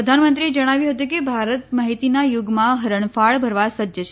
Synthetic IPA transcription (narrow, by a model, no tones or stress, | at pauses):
əd̪ʱanmənt̪ɾied͡ʒəɽ̃aʋjũɦət̪ũkebʱaɾət̪maɦit̪inajʊɡmãɦəɾəɳ̃faɭbʱəɾʋasəd͡ʒət͡ʃʰ